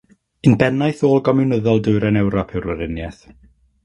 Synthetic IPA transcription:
ɨnbɛnajθoːlˠɡɔmɪwnəðɔlˠdʊɨɾɛnɛwɾɔpʰɪwɾwəɾɪnjɛθ

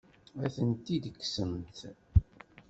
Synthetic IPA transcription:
æθənt̪id̪əkːsəmt̪

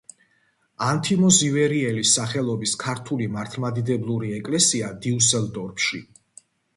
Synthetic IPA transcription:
ant̪ʰimɔzivɛɾiɛlisːaχɛlˠɔbiskʰaɾt̪ʰulimaɾt̪ʰlˠmad̪id̪ɛblˠuɾiɛkʼlɛsiad̪iusɛlˠd̪ɔɾpʰʃḭ

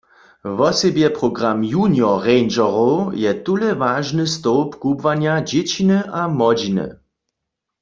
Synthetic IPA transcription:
vɔsɛbjɛpʁɔɡʁamjunjɔʁɛjnd͡ʒɔʁojɛt̪ulɛvaːʒnɨst̪oʊpkubvanjad͡ʑet͡ɕinəʔamɔd͡ʒinɨ̰

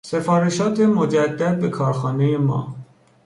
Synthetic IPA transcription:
sefɒːɾeʃɒːt̪ʰemod͡ʒæd̪ːæd̪̚bekʰɒːɾxɒːnejemɒ̰ː

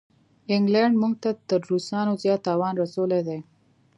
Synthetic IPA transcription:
ɪŋɡlaɳɖmuŋɡt̪at̪əɾɾusɑnozjɑt̪ːɑwɑnɾasowled̪e

